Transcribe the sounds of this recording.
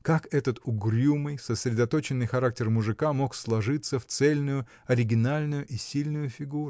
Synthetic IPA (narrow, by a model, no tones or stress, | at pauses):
kakɛt̪ət̪ʊɡɾʲumɨjsəsɾʲɪd̪ɐt̪o̞t͡ɕɪnːɨjxɐɾak̚tʲɪrmʊʐɨkamo̞kslˠɐʐɨt̪sːəft̪sɛlʲnʊjʊ | ɐɾʲɪɡʲɪnalʲnʊjʊʔisʲilʲnʊjʊfʲɪɡuɾʊ